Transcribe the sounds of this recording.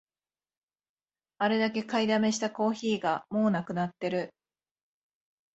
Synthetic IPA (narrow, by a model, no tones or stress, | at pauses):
aɾe̞d̪ake̞kaid̪ame̞ɕi̥t̪ako̞ːçiːɡamo̞ːnakɯ̟nat̪ːe̞ɾɯ̟